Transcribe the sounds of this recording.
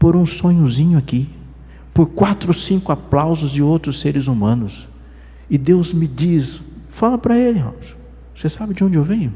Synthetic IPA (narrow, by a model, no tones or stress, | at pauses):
poɾũsõɲʊzĩɲʊaki | poɾkwat̪ɾosĩkʊaplawzʊzd͡ʒɪowt̪ɾʊseɾɪzumɐ̃nʊs | ɪd̪ewzmɪd͡ʒis | falɐpɾɐelɪhõ̰ms | vosesabɪd͡ʒɪõd͡ʒɪewvẽɲʊ